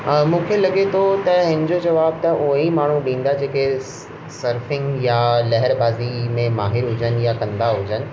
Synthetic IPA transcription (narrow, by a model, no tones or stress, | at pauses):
mũːkʰelɐɠet̪ʰot̪ɐɦɪ̃nɪd͡ʑod͡ʑɐʋaːb̚t̪ɐʔuɦimaːɳ̤uɗĩːn̆d̪ad͡ʑeːke | sɐɾfɪ̃ŋɡjalɛɦəɾbaːzimẽmaːɦɪɾɦʊd͡ʑənɪ̆jakɐ̃nd̪aɦʊd͡ʑənɪ̆